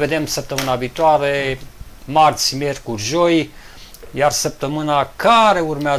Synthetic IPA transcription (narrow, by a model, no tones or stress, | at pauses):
ve̞d̪e̞msəp̚t̪əmɨnaviːt̪oaɾe̞ | mart̪sʲmʲje̞rkurʲʒo̞j | jarsəp̚t̪əmɨnakaɾe̞urmea